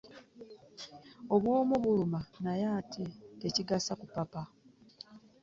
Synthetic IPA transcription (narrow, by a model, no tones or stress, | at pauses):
o̞βwo̞ːmuβulumanajaːtʰeteciɡasakupapa